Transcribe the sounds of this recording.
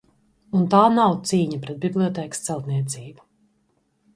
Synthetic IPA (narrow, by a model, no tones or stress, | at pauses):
unt̪aːnawt̪siːɲapɾɛt̪̚bʲiblʲˠiɔt̪ɛːkst̪sɛlˠt̪niɛt̪siːbu